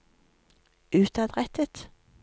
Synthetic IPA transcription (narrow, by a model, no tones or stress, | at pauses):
ʉːt̪ɑd̪ʁɛt̪ət̪